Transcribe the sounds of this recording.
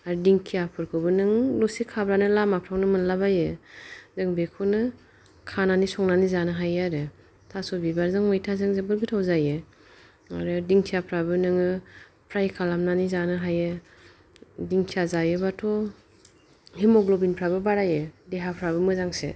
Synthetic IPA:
aɾɯdiŋkʰijapʰɯɾkʰɯbɯnɯŋlɔsikʰabɾanɯlamapʰɾawnɯmɯnlabajɯzɯŋbekʰɔnɯ | kʰananisɔŋnanizanɯɦajaɾɯ | tʰasɔbibaɾzɯŋmɯjtʰazɯŋzebɯɾɡɯtʰawzajɯ | aɾɯdiŋkʰijapʰɾabɯnɯŋɯpʰɾajkʰalamnanizanɯɦajɯ | diŋkʰijazajɯbatʰɔ | himɔɡlɔbinpʰɾabɯbaɾajɯdeɦapʰɾabɯmɯzaŋsḛ

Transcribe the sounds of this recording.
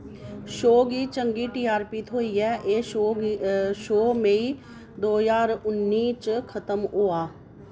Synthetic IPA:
ʃoːɡiːt͡ʃəŋɡiːʈiːaːɾpiːt̪ʰɦoːiːɛːʔeː | ʃoːmẽiː | d̪oːzaːɾʊnːiːt͡ʃkʰət̪əmɦoːaː

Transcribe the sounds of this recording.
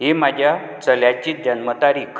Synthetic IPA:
ɦemad͡ʑʱja | t͡səljat͡ɕiːt̪̚d͡ʑənmət̪aɾikʰ

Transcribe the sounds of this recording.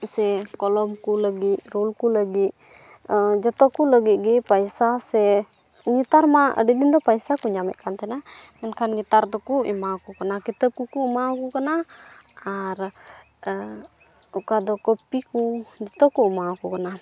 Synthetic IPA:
sɛkɔlɔmkuləɡitɾulkuləɡit̪̚ | d͡ʒɔt̪ɔkuləɡit̪̚ɡɛpajsasɛ | ŋit̪aɾmaʔə̰ɖid̪ind̪ɔpajsakuɲamɛ̰ʔ̪̚kant̪ɛnamɛnkʰanŋit̪aɾd̪ɔkuɛmakukanakit̪əb̚kukuumakukana | aɾ | ukad̪ɔkəpikud͡ʒɔt̪ɔkuumakukana

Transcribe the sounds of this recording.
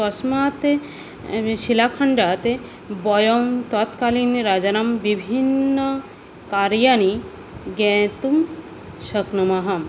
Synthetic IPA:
ɔsmat̪e | ʃilapʰaɳɖat̪e | bɔjɔmt̪ɔt̪kalinɾad͡ʒanambibʱinːə | kaɾjani | ɡɛ̃ːt̪um | ʃəknumaɦɐm

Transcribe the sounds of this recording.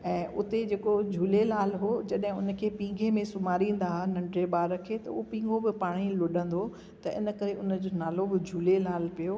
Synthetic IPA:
ɛ̃ːʔʊt̪ed͡ʑeːkod͡ʑʱuːlelaːlɦod͡ʑɐɗɦɪ̃ʊnə̆kʰeːpĩːŋɡʱemẽsʊmaːɾĩːn̆d̪aɦnɐ̃ɳɖɾeɓaːɾəkʰeːt̪ɐʊopĩːŋɡobɪpaːɽ̃ilʊɗə̃nd̪o | t̪ɐʔɪ̰nə̆kɐɾeʊnəd͡ʑoːnaːlobɪd͡ʑʱuːlelaːlpijo

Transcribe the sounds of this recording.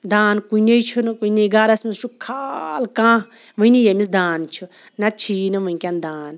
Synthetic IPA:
d̪aːnkuinejt͡ʃʰunɨkuineɡaːɾɐsmisʃubkʰalkãː | ʋɨnijemis̬d̪aːnt͡ʃʰu | nɐt͡ʃʰiːnɨʋɨiŋkʲand̪aːn

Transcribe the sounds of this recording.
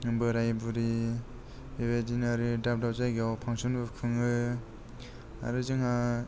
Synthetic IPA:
ɯbɯɾajbuɾi | ibedinaɾidap̚dawzajɡeawpʰaŋsunbɯkʰɯŋɯ | a̰ɾɯzɯŋa

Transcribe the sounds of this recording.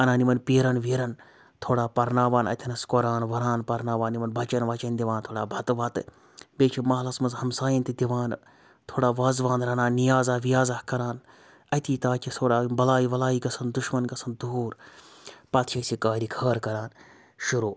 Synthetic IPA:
ɐnaːnimɐnpiːɾɐnʋiɾɐn | t̪ʰoːɽaːpɐɾnaːʋaːnɐ̰t̪ʲʰinɐskoɾaːnʋɐɾaːnpɐɾnaːʋaːnːimɐnbʱɐt͡ʃɐnʋaːt͡ʃɐnd̪iʋãːnt̪ʰoːɽaːbʱɐt̪ʋɐt̪ɨ̰ | beːt͡ʃʰimɐːlɐsmɐnzhɐmsaːjɐnt̪id̪ʲiʋaːn | t̪ʰoːɽaːʋaːzʋaːnɾɐnaːnijaːzaːʋijaːzɐhkɐɾaːn | ɐt̪ʰiːt̪aːt͡ʃʲʰisʰoːɽaːbɐlaːiʋɐlaːikɐsɐnd̪uʃmɐnkɐsʰɐnd̪uːɾ | pɐt̪ʰʃʰɐsikaːɾikʰɐːɾkɐɾaːn | ʃuɾoː

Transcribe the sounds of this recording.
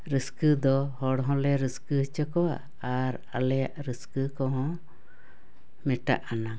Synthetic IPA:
ɾəskɨd̪ɔhɔɽɦɔ̃lɛɾiskɨht͡ʃəkɔwa̰ | aɾ | a̰lɛja̰ʔɾiskɨkɔɦɔ̃ | mɛʈa̰ʔana

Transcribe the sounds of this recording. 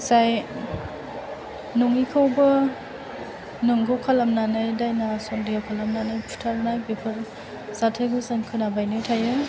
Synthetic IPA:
saj | nɔŋikʰawbɐ | nuŋɡɯwkʰalamnanɯjdajnasɔndijawkʰalamnanɯjpʰu̥tʰalnajbipʰɯɾ | z̥atʰaɡɯsankʰɯnabajnɯtʰajɯ

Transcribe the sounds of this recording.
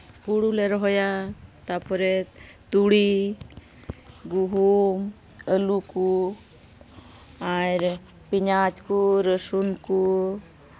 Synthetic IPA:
kuɽuleɾɔɦɔjat̪apɔɾet̪uɽi | ɡuɦum | əluku | aɾ | piɲat͡ʃkuɾəsunku

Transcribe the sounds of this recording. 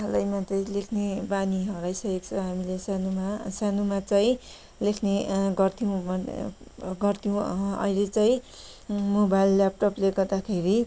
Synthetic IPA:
alajmat͡saĩlekʰnebaniɦʌɾajsʌekt͡sʰʌɦamilesanumasanumat͡saĩ | lekʰneɡʌrt̪ʰiũ | ɡʌrt̪ʰiũʌ̰jlet͡saĩ | mobajlːap̚ʈʌpleɡʌrd̪akʰeɾi

